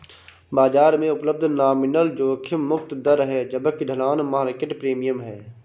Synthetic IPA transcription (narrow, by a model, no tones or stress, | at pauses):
baːd͡ʒaːɾmẽʊpləb̚d̪ʱnaːmɪnəld͡ʒoːkʰɪmʊkt̪d̪əɾɦɛːd͡ʒəbəkɪɖʱəlaːnmɐɦaɾɪkɪʈpɾeːmijəmɦɛː